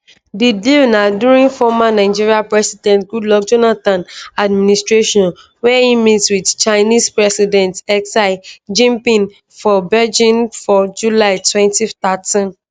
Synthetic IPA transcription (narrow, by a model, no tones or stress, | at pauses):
didilnadjuɹĩnfɔmanaɪd͡ʒiɹiapɹɛsidɛ̃ntɡudlɔkd͡ʒɔnatãnad̚ministɹeʃɔ̃n | wɛhimitswidt͡ʃaɪnispɹɛsidɛ̃ntɛksaɪd͡ʒĩmpĩn | fɔbɛd͡ʒĩnfɔd͡ʒulaɪtwɛ̃ntitatĩn